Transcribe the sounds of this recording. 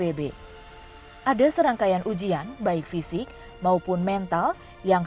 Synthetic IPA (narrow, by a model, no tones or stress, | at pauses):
ebe | ʔadasəɾaŋkajanʔud͡ʒianbaɪk̚fisɪk̚ | maupʊnmɛnt̪al | jaŋ